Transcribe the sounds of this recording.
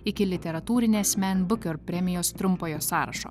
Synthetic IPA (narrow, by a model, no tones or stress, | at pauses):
ɪkʲɪlʲɪt̪ʲɛɾɐt̪uːɾʲɪnʲɛɐsʲmʲɛnʲbʊkʲoɾpʲɾʲɛmʲɪjoːst̪ɾʊmpoːjoːsɑːɾɐ̰ʃo̰ː